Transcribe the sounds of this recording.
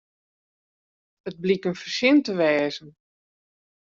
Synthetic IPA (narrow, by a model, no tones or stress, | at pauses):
ət̚blikənfərsɪntəʋɛːzən